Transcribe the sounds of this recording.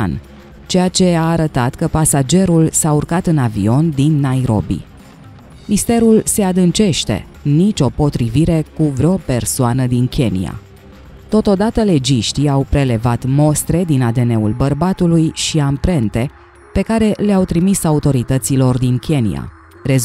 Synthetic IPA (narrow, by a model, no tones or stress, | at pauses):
n | t͡ʃe̞jat͡ʃe̞aːɾət̪at̪kəpasad͡ʒe̞ɾulsaurkat̪ɨnavḭo̞nd̪inːajɾo̞̰bḭ | mist̪e̞ɾulse̞ad̪ɨnt͡ʃe̞ʃt̪e̞̰ | nit͡ʃʲo̞po̞t̪ɾiviɾe̞kuvɾeope̞rsoanəd̪inkʲe̞nḭa̰ | t̪o̞t̪o̞d̪at̪əle̞d͡ʒiʃt̪iawpɾe̞le̞vat̪mo̞st̪ɾe̞d̪inat̪e̞ne̞ulbərbat̪ulujʃiampɾe̞nt̪e̞ | pe̞kaɾe̞leawt̪ɾimisaut̪o̞ɾit̪ət̪silo̞rd̪inkʲʰe̞nḭja̰ | ɾe̞z